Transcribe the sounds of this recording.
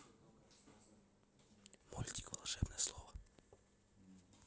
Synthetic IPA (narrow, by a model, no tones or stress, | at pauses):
mulʲtʲi̥kvɐ̰lˠʂɛbnəjəslˠovə